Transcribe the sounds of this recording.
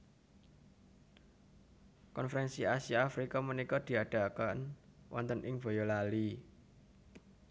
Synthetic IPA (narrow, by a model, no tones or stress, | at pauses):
kɔnfəɾɛnsiasiaːfɾikamənikɔd̪̥i̤aɖ̥a̤kanwʔɔ̰nt̪ənʔɪŋb̥o̤jɔlali